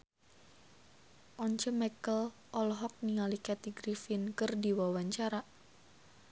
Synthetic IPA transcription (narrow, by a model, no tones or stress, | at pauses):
ʔɔɲt͡ʃəmɛkəl | ʔɔlɦɔk̚niŋalikɛt̪iɡɾifɪnkərdiwawaɲt͡ʃaɾa